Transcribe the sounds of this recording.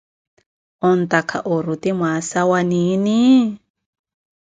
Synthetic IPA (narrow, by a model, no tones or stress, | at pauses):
ɔnt̪akʰa̰ʔɔɾut̪imwasawanini